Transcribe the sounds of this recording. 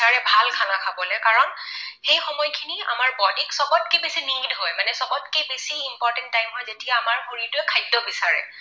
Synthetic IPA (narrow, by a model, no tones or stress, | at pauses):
aɹɛbʱalkʰanakʰabɔlɛkaɹɔnxejxɔmɔjkʰinia̰maɹbɔdiksɔɡɔt̚kebesiniŋdɦɔjmanɛsɔbɔtkebesiimpɔɹtɛntːajmɦɔjzetijaːmaɹxoɹitʊɛkʰajdːɔbisaɹɛ̰